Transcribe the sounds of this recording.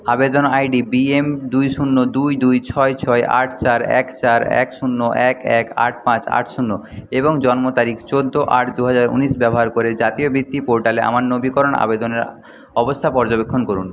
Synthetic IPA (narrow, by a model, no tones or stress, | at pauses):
abed̪onajɖibiemd̪ujʃunːod̪ujd̪ujt͡ɕʰɔet͡ɕʰɔeʔa̰ʈʰt͡ɕaɾɛ̰kt͡ɕaɾɛ̰kʃunːoʔɛkɛka̰ʈ̚ʰpãt͡ɕa̰ʈʰʃunːo | eboŋd͡ʑɔnmot̪aɾikʰt͡ɕod̪ʱːoʔaʈʰd̪uɦad͡ʑaɾṵniʃbɛboɦaɾkoɾed͡ʑat̪iobɾit̪ːipoɾʈaleʔa̰maɾːobikɔɾona̰bed̪oneɾ | ɔbost̪ʰapɔɾd͡ʑobekʰːonkoɾun